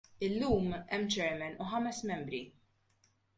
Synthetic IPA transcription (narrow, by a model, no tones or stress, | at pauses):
ɪlːuːmɛmːt͡ʃɛɾmɛnuħɐmɛsmɛmbɾi